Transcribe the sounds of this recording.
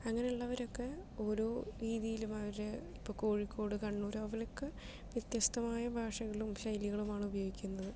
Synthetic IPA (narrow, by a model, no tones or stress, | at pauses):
ɐŋːɐne̞uɭːɐʋɐɾo̞kːe̞o̞ːɾoːɾiːðijilumɐʋɐɾeipːoːko̞ːɻikʰʲːo̞ːɽɨkɐɳːuːɾoʋɐlokːe | ʋjɐt̪jɐst̪ʰɐmaːjɐbʱaːʂɐɣɐɭumɕɐjliɣɐɭumaːɳubɐjoːɡikʲːunːɐðɨ